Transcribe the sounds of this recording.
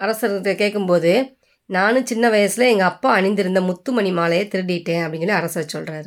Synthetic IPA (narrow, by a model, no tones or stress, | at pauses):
ɐɾɐsɐɾɐkeːʈkːɯmpoːðɯ | naːnɯ̃t͡ʃɪnːɐʋɐjɐsɪlɐɛŋɡɐɐpːaːɐɳɪnd̪ɪɾɯnd̪ɐmʊt̪ːɯmɐɳimaːlɐjeːt̪ɪɾɯɽɪɪʈːẽːɐpːɐɽɪŋɡɐlɐɐɾɐsɐɾsɔlraːɾɯ